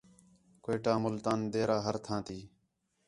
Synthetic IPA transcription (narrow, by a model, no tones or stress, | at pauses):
koːʈaːmʊlt̪aːnd̪eːɾaːɦəɾt̪ʰãːt̪iː